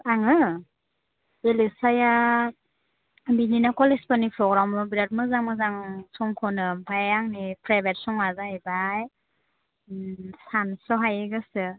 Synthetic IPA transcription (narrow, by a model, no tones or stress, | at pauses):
aŋɯ | elesaja | bininakɔlespanipʰɾɔɡɾamɔbiɾat̚mɯzaŋmɯzaŋsɔŋkʰɔnɯmpʰajjaŋnipʰɾajbet̚sɔŋazahebaj | sansɔɦajeɡɯsɯ